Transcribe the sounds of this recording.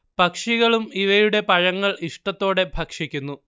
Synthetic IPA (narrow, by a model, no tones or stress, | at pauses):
pɐkʂiɣɐɭumiʋɐjuɽe̞pɐɻɐŋːɐɭiʂʈɐt̪ːo̞ːɽe̞bʱɐkʂikʲːunːu